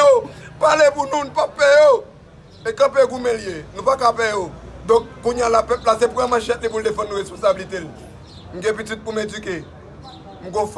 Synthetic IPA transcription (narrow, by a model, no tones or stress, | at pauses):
opalepunũnũpapɛjo | ekãpeɡumẽljenũpakapɛjod̪ɔ̃k̚kũɲãlapɛp̚las̬epuɛmãʃɛ̃t̪̚lepuldefɐ̃d̪nuʁespɔ̃sabilit̪el | m̩ɡɛ̃pit̪yd̪̚pumedyke | m̩ɡof